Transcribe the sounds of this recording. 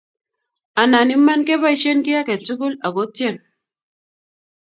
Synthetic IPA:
a˨na˨ni˦mːa˦nke˦ba˦i˨˦ʃe˦nki˦ja˦ke˨tu˦ɡu˦la˨ɡo˦tje˦˨n

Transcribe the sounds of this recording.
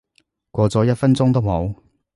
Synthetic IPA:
kʷɔː˧t͡sɔː˨˥jɐ˥t̚fɐ˥nt͡sʊ˥ŋt̪o˥who˨˧˥w

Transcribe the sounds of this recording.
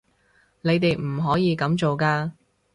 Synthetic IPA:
ne˨˧jt̪e˨jm̩˨˩ɦɔː˨˥jiː˨˧kɐ˨˥mt͡so˨wkaː˧

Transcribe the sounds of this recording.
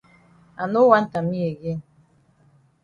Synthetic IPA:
a̰˨no˦wa˦n̩˦ta˨mi˦e˨ɡe˦

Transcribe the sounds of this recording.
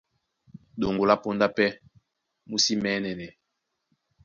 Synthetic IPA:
ɗo˨ŋɡo˨la˦po˦nda˦pɛ˦ | mu˦si˦mɛː˨˦nɛ˨nɛ˨

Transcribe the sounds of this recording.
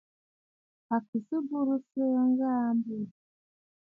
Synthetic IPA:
a˨ki˨si˦bu˦ɾu˦se˦ŋɡa˦mbi˦˨

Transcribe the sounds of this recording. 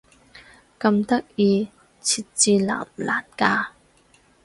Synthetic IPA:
kɐ˧mt̪ɐ˥k̚iː˧ | t͡sʰi˨˩t̚t͡siː˧la̰˨˩mla̰ː˨˩nkaː˧

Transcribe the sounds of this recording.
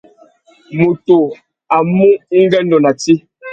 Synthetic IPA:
mo˨to˨ | a˨mu˦ŋ̩˦ɡɛ˦n˦dɔ˨na˨ti˦

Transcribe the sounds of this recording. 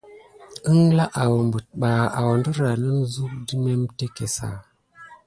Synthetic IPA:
ə˦ŋ˦la˦ʔa˨wmbə˨t̚ɓa˨a˨wndə˦ɾa˨nə˦mzu˦k̚di˦me˦mte˦ke˨sa̰˨

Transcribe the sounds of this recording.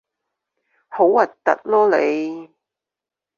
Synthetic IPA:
ho˨˥wɐ˨˩t̚t̪ɐ̰˨t̚lɔː˥le˨˧j

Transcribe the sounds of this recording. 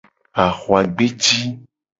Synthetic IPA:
a˨xo˨a˨ɡ͡be˦t͡ʃi˦

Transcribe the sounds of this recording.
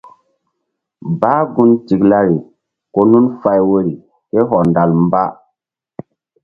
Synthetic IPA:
baː˦ɡu˦nti˨kla˦ɾi˨ | ko˦nu˦nfa˦jwo˦ɾi˨ | ke˦ɦɔ˨nda˨lm˦ba˦

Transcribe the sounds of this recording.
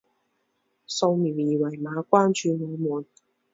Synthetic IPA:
so˧wmiː˨˩wjiː˨˩wɐ˨˩jmaː˨˧kʷaː˥nt͡ʃyː˧ŋɔː˨˧muː˨˩n

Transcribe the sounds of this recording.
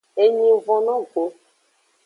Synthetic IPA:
e˦ɲĩ˦vɔ̃˨nɔ̃˦ɡo˦

